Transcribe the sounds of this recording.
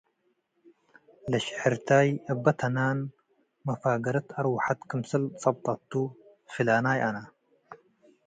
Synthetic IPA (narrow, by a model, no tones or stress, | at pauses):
lɐʃħɪɾt̪ʰaːjɐbːɐt̪ʰɐnaːn | mɐfaːɡɐɾɨt̪ʰɐɾwaħat̪kʰɨmsɨlt͡sʼɐb̚t̪ˤʼɐt̪ːu | filaːnaːjʔana